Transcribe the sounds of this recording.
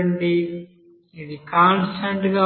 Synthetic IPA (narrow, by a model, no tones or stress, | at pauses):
ɳɖi | id̪ikaːnsʈʰɐɳʈɡaː